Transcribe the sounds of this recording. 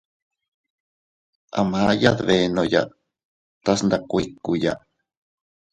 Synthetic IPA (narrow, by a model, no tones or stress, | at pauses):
a̰majaðβenoja̰ʔ | t̪asnd̪akʷikːuja̰